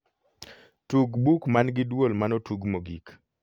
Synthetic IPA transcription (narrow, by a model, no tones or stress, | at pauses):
tuɡbukmanɡɪdwolmanotuɡmoɡḭk